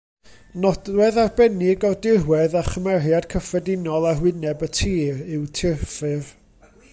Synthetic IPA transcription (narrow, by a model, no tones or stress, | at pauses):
nɔdrwɛðarbɛnɪɡɔrdɪrwɛðaχəmɛrjad̥kʰəfrɛdɪnɔlˠarwɪnɛbətʰiːrɪwtʰɪrfɨr